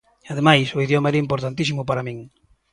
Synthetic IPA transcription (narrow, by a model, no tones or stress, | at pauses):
að̞emajsʊiðjomaɛɾɐimpoɾt̪ant̪isimʊpaɾamĩŋ